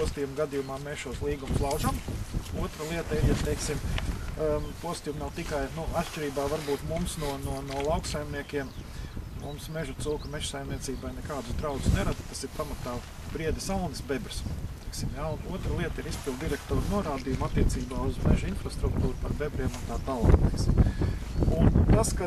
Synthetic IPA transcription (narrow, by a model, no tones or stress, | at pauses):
uɔst̪ijumɡad̪ijumaːmeːsʃuɔslˠiːɡumʊslˠɑwʒamuɔt̪ɾəlˠiɛt̪əiɾjat̪ejksim | puɔst̪ijumnawt̪ikajnuat̪ʃt͡ʃʲɪɾiːbaːʋaɾbuːt̪mumsnuɔnuɔnuɔlˠaʊksajmniɛkʲiɛmmumsmeʒut̪sulˠkmɛʃsajmniɛt̪siːbajnɛkaːd̪ʊsd̪ɾaʊt̪ʊ̥sneɾad̪t̪asiɾpamat̪aː | bɾiɛd̪isalˠnɪsbebɾst̪ɛjksimjaunuɔt̪ɾəlˠiɛt̪əiɾispilˠd̪d̪iɾɛkt̪oːɾnuɔɾaːd̪ijumat̪ːiɛt̪siːbaːuzmɛʒʊinfɾast̪ɾukt̪uːɾupaɾbebɾiɛmunt̪aːt̪aːlˠa̰ːkt̪eksm | unt̪aska